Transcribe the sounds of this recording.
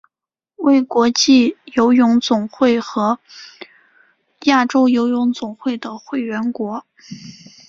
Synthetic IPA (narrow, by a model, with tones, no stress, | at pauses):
we˥˩ɪkwɔ˧˥t͡ɕi˥˩jo˧˥ʊjʊ˧˥ŋt͡sʊ˨˩ŋxwe˥˩ɪxɤ˧˥ | ja˥˩ʈ͡ʂo˥ʊjo˧˥ʊjʊ˧˥ŋt͡sʊ˨˩ŋxwe˥˩ɪd̪ə˩xwe˥˩ɪɥɛ˧˥nkwɔ˧˥